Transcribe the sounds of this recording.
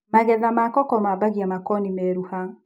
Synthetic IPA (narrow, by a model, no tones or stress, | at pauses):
maɣɛðamakɔkɔmabaɣjamakɔnimɛɾuha